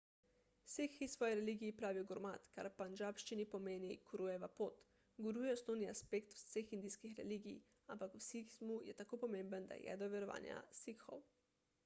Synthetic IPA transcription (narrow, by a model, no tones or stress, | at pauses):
sikxisʋɔːjɛɾɛliːɡiːpɾaːʋiɡɔɾma̰t̪ka̰ɾpand͡ʒaːpʃt͡ʃinipɔmeːnikuɾujɛʋapot̪ | ɡuɾujɛɔsnoːwnia̰spekt̪wsexind̪ijskixɾɛ̰liɡḭj | ampakwsikizmujɛ̰t̪akopɔmembənd̪a̰jɛ̰d̪ɔʋɛɾɔʋa̰ːnja̰sikxɔ̰w